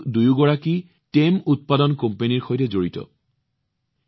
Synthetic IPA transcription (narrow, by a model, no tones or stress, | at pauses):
dujuɡɔɹaki | temut̚padɔnkompeniɹxojtɛzoɹitɔ̰